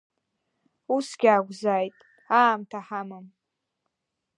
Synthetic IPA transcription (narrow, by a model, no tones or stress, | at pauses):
usɡʲaːɡʷzaːjtʼ | aːmtʰaħamɨm